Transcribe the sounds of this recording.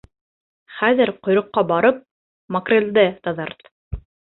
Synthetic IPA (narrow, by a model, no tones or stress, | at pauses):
χæðɘɾqŏjɾŏqːɑbɑɾɤp̚ | mɐkrʲeld̪ɘt̪ɑðɑrt̪